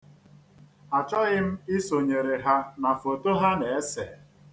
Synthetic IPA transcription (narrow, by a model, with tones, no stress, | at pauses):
a˨t͡ʃɔ˦ɣɪ˦m̩˦ɪ˦so˨ɲe˨ɾe˨ɦa˦na˨fo˨to˦ɦa˦ne˨e˦se˨